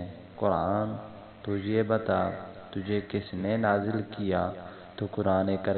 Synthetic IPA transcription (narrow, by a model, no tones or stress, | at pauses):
kʊɾaːn | t̪ʊd͡ʒʱeːbət̪aː | t̪ʊd͡ʒʱeːkɪsnenaːzɪlkɪjaː | t̪oːkʊɾaːneːkəɾ